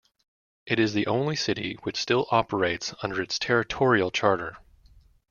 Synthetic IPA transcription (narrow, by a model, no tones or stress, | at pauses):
ʔɨɾɨzðiʔõʊ̃nlisɪɾḭwɨt͡ʃstɪlˠʔɑpə˞eɪtsʌ̃ndə˞ɨtstʰɛɹɨtʰɔɹil̩ˠt͡ʃʰɑɹɾə̰˞